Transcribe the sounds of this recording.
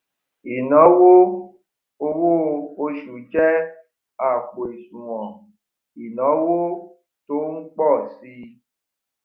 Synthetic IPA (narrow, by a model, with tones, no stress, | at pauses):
i˨nɔ̃˨˦wo˦ | o˧wo˦o˧ʃu˨d͡ʒɛ˦ | a˨k͡po˨e˨sũ˨wɔ̃˨ | i˨nɔ̃˨˦wo˦ | to˨˦ŋ̩˦k͡pɔ˦˨si˧